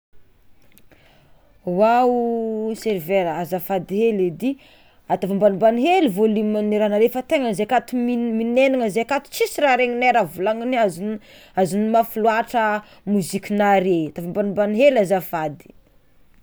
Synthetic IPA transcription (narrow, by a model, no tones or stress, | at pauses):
wa | seɾveɾəazafad̪iɦeled̪i | at̪afambanibaniɦelivolimaniɾanaɾefət̪eŋəzeakat̪umiminenaŋəzeakat̪u̥t͡sisiɾaɾeŋineɾavulaŋiniaz | azunimafuluaʈ͡ʂə | muzikʲinaɾeat̪avambanimbaniɦelazafad̪i̥